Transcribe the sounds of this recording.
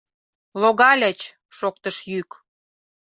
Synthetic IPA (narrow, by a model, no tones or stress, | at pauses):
loɣɑlʲə̆t͡ɕ | ʃokt̪əʃjyk